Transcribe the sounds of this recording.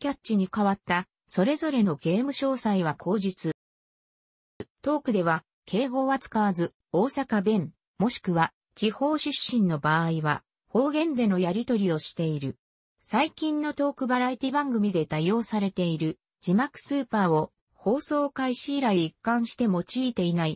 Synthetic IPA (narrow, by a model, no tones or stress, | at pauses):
kʲatɕiɲ̟ikaβat̪ːa | so̞ɾe̞zo̞ɾe̞no̞ɡe̞ːmɯ̟ɕo̞ːsaiβ̞akʰo̞ːʑit͡sɨ | t̪o̞ːkɯ̟d̪e̞βa | kʰe̞ːɡo̞ːβat͡sɨ̥kaβazɨ | o̞ːsakabẽ̞m | mo̞ɕi̥kɯ̟βa | t͡ɕiho̞ːɕɨɕːĩnːo̞baːiβa̰ | ho̞ːɡẽ̞nd̪e̞no̞jaɾʲit̪o̞ɾʲio̞ɕi̥t̪e̞iɾɯ̟ | saikʲĩnːo̞t̪o̞ːkɯ̟baɾait̪ʲibãŋɡɯ̟mʲid̪e̞t̪ajo̞ːsaɾe̞t̪e̞iɾɯ̟ | d͡ʑimakɯ̟̥sɨːpaːo̞ | ho̞ːso̞ːkaiɕiːɾaiikːãɰ̃ɕi̥t̪e̞mo̞t͡ɕiːt̪e̞inai